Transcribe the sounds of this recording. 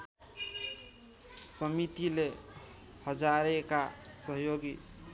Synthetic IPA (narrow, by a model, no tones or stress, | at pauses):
sʌmit̪ile | hʌd͡ʒaɾekasʌɦjoɡi